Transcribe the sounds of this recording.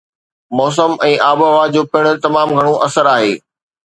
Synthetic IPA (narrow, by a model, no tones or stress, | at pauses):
mɔːs̬əmɛ̃ːʔaːboʋad͡ʑoːpɪɽ̃ʊ̆t̪ɐmaːmɡʱɐɽ̃õʔɐsəɾaːɦeː